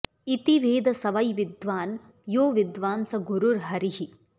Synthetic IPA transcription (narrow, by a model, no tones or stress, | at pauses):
it̪iʋeːd̪ɐsɐʋɐjʋid̪ʋaːn | joːʋid̪ʋaːnsɐɡuɾuɾɦɐɾiɦi